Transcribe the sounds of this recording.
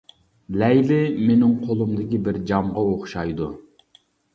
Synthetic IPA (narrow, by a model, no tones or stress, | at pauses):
lɛjlɪmenɪŋqʰolˠumd̪ɪkʲibɪɾd͡ʒɑmʁɑoχʃɑjd̪u